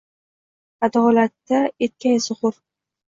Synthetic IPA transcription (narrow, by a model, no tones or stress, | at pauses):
ad̪ɒlat̪ːaet̪̚kʲajsʊʁʊɾ